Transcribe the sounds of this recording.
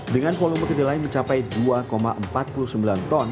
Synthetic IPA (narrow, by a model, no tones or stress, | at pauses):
dəŋanfoluŋməkədilaɪnməɲt͡ʃapajduakoma̰ʔəmpat̪̚puluhsəmbilant̪ɔn